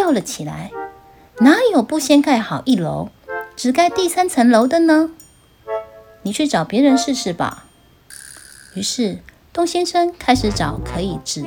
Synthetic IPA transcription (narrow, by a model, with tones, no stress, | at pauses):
ɑ˥˩ʊlə˨˩t͡ɕʰi˨˩la̰˧˥ɪ | na˧˥˦jo˨˩ʊpu˥˨ɕjɛ˥nka˥˩ɪxɑ˨˩ʊʔi˥˩lo̰˧˦ʊ | ʈ͡ʂɻ̩˨˩ka˥˧ɪt̪i˥˩sa˥nt͡sʰə˧˥nlo˧˥ʊd̪ə˨nə˧ | ni˨˩t͡ɕʰy˥˩ʈ͡ʂɑ˨˩ʊpjɛ˧˥ɻə˧˥nʂɻ̩˥˧ʂɻ̩˥˩ba̰˩ | y˧˥ʂɻ̩˥˩ | t̪ʊ˥˧ŋɕɛ˥nʂə˥ŋkʰa˥ɪʂɻ̩˧˥ʈ͡ʂɑ˨˩ʊkʰɤ˧˥i˨˩ʈ͡ʂɻ̩˨˩